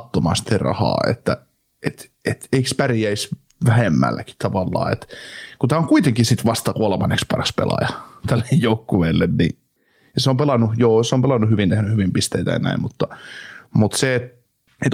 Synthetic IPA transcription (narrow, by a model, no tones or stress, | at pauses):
t̪ːomɑ̰st̪erɑ̰hɑ̰ːḛt̪ːæ | ʔet̪ | et̪eikspæriæis | ʋæhemːæ̰lːæki̥t̪ɑʋɑlːɑ̰ːḛt̪kut̪æːoŋkuit̪eŋkisit̪ʋɑst̪ɑkuolmɑnːekspɑrɑspḛlɑ̰jɑt̪ælːejjoukːuʋeːlːennḭ | jɑseompelɑnːujoːseompelɑnːuhyʋint̪ehnyhyʋimpist̪eit̪æ̰jɑ̰næ̰immut̪ːɑmut̪seːt̪ | et̪